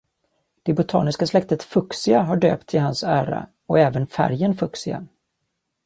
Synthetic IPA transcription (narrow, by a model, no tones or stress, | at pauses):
d̪̥ɛbʊt̪ʰɑ̰ːnɪskaslɛk̚t̪ət̪fɵksɪɡaɦaɖø̰ːpt̪ʰɪɦansæːɾa̰ | ɔɛːvənfæ̰ɾjənfɵksɪɡa̰